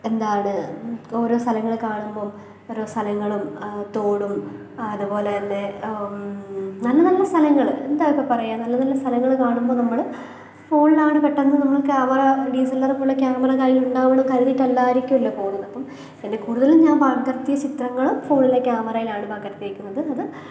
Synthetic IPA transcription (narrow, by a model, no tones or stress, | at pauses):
e̞nd̪aːjɳɨoɾo̞ːst̪ʰɐlɐŋːɐɭkaːɳumboːm | oɾoːst̪ʰɐlɐŋːɐɭumt̪o̞ːɽum | ɐðupo̞ːleɐnde | nɐlːɐnɐlːɐst̪ʰɐlɐŋːɐɭɨe̞nd̪aːjokːepɐrɐjaːnɐlːɐnɐlːɐst̪ʰɐlɐŋːɐɭɨkaːɳumbo̞ːnɐmːɐɭ | fo̞ːɳilaːɳɨpeʈːɐnːɐðnɐmːɐɭkaːmɐrɐɖiːs̬ɐlːɐrpoːɭːɐkʲjaːmɐrɐkaːɾjiluɳɖaːʋɐɳumkɐɾɐðiʈːɐlːaːiɾikʲːumilːɐfo̞ːɳunːɐpːɐm | ende̞kuːɽuðɐlumɲaːnbaːɡɐrt̪ːijɐt͡ɕit̪rɐŋːɐɭumfo̞ːɳilekʲjaːmɐrɐjilaːɳɨbaːɡːɐrt̪ijiɾikʲːunːɐðɨɐðɨ